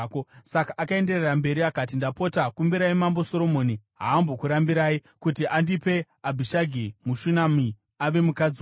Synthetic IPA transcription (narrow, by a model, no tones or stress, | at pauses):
kosakaʔːkae̞nde̞rerambe̞ɾiakatindapo̞takumbiɾaimambo̞so̞ɾo̞mo̞niɦa̰ːmbo̞kuɾambiɾaːikutiʔandipe̞ | abʱiʃaɡʱimuʃunami | aʋe̞mukad͡zi